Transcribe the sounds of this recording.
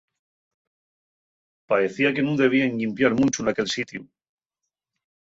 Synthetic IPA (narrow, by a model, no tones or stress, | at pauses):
pae̞θiake̞nũnd̪e̞β̞ieŋʎimpjaɾmũnt͡ʃunake̞lsit̪ju